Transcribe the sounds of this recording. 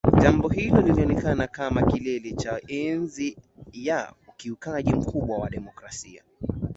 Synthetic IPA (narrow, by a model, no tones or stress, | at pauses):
ʄambɔhilɔliliɔnɛkanakamakilɛlɛt͡ʃaɛnzijaukiukaʄim̩kuɓwawaɗɛmɔkɾasia̰